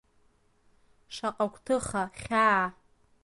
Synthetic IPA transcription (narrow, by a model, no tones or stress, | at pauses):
ʂaqʼakʷʰʼtʰɨχaχʲa